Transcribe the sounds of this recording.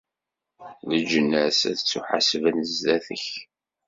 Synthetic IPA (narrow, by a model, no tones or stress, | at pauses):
ləd͡ʒənːæsæ̰ðət͡sːuħa̰svənəzðæθə̰ç